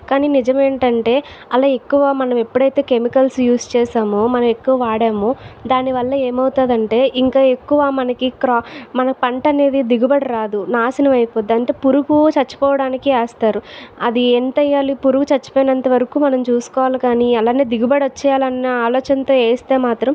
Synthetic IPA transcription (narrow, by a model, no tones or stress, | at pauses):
kaːniːnid͡ʒɐme̞ːɳʈɐɳʈe̞ː | ɐlaːekːuʋaːmɐnɐme̞pːuɽɐjt̪e̞ːke̞mikɐlsjuːst͡ʃɛːsaːmomɐnɐmekːuʋɐʋaːɽeːmod̪aːniʋɐlːɐe̞ːmɐwt̪aːd̪ɐɳʈe̞ːʔiŋkaːe̞kːuʋaːmɐnɐkikɾmɐnɐpɐɳʈɐne̞ːd̪id̪iɡubɐɽiɾaːd̪unaːsɐnɐmɐjpoːd̪ːɐɳʈe̞ːpuɾuɡut͡ʃɐt͡ʃːu̥pɔːʋɐɽaːnikiaːst̪aːɾuɐd̪ieːnʈɐjːaːlipuɾuɡut͡ʃɐt͡ʃːu̥poːjinɐnt̪ɐʋɐɾɐkuːmɐnɐmt͡ʃuːsu̥kɔːʋaːlɐkaːniɐlaːnːeːd̪iɡubɐɽɐt͡ʃːɛːjalɐnːɐaːlɔːt͡ʃɐnt̪oːeːst̪e̞ːmaːt̪ɾɐm